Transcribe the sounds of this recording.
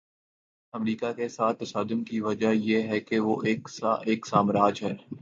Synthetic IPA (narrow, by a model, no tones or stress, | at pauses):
ɐmɾiːkakesaːt̪ːɐsaːd̪ʊmkiʋɐd͡ʒajeːɦɛkeʋoːʔeːksʔeːksaːmɾaːd͡ʒɦɛː